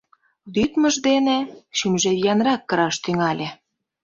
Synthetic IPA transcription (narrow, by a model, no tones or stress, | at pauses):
lyt̪mə̆ʒd̪eneʃymʒejɑnrɑkːɤ̆ɾɑʃt̪yŋɑlʲe